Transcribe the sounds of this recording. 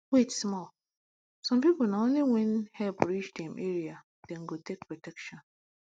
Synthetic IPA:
kwetsmɔl | sɔ̃mpipʊlnaõnliwenhɛlpɾit͡ʃdɛ̃mʔeɹia | d̥ɛ̃ŋ̩ɡotek̚pɹɔtɛkʃɔ̃n

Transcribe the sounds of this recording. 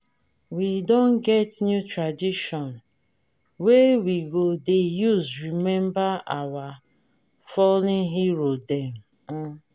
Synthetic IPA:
widɔ̃nɡɛtnjutɹadiʃɔn | wewiɡodejuzɹimɛ̃mbaawa | fɔlĩŋɦiɾodɛm̩

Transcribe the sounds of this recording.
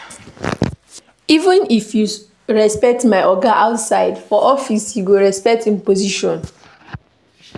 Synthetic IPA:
ivə̃nifju | ɹɛspɛk̚tmaɪʔɔɡaʔaʊtsaɪdfɔʔɔfisjuɡoɹɛspɛk̚tĩmpoziʃɔ̃n

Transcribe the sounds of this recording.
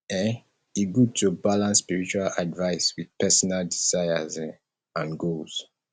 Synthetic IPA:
ɛ | iɡud̚tubalãnsːpiɹit͡ʃualadvaɪswið̥pɛsɔnaldizaɪa̰z | ãnɡolz̥

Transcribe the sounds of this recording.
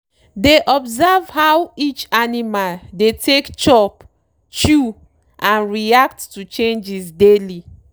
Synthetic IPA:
deʔɔbzavhawit͡ʃanimaldetʰekt͡ʃɔp | t͡ʃu | ʔãnɹiakttut͡ʃẽnd͡ʒisdeli

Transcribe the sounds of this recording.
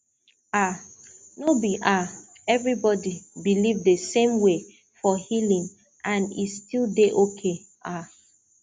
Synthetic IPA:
a | nobiʔa | ɛvɹibɔdibilivdesẽmwe | fɔhilĩŋ | ãnḭstilˠdeʔokʰe | a

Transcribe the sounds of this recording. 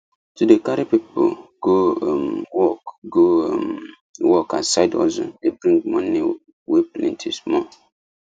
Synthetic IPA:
tudekaɾipipo̰ɡ̥omwɔkɡom | wɔkã̰nsaɪdɔ̰zɔ̰̃debɹĩŋɡ̚mɔ̃ni | weplḭ̃ntʰḭsmɔ

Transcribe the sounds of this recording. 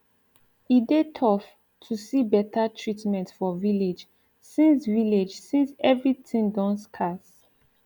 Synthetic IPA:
idetʰɔf | tʰusibɛtʰatʰɹitmɛ̃ntfɔviled͡ʒ | sĩnsviled͡ʒsĩnsɛvɹitʰĩŋdɔ̃nskʰas

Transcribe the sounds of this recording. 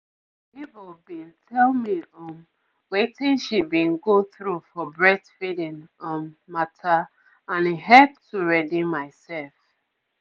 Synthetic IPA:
ipubĩntʰɛlmiɔ̃m | wetĩnʃibĩnɡoθɹufɔbɹɛdfidĩnɔ̃mːatʰa | ãniɦɛlp̚tʰuɹɛdimaɪsɛlf

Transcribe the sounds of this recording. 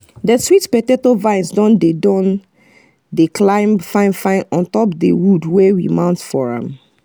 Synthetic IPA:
dɛswitpɛtetovãɪ̃nsdɔ̃ndedɔ̃n | deklãɪ̃mfãɪ̃nfãɪ̃nɔ̃ntɔpdewudwɛwḭmãʊ̃ntfɔɹã̰m

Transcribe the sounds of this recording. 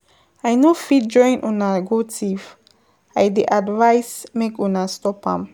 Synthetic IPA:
ajnofit̚d͡ʒɔ̃j̃nʔɔ̃naɡotʰif | ajdeʔadvajsmekɔ̃nastɔpã̰m

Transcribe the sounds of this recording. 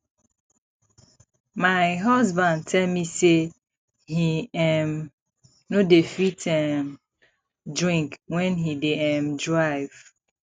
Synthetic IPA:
maɪɦɔzbãnd̚tʰɛlmise | hiɛm | nodefitʰɛm | dɹĩŋkwɛ̃nɦideɛmdɹaɪv̥

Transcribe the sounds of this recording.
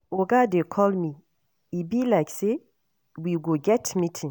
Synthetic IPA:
oɡadekʰɔlmi | ibilaɪkse | wiɡoɡɛtmitʰĩŋ

